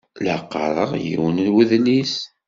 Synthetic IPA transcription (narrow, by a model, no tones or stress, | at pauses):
ləqːəɾˤəʁjḭwənlwəðnis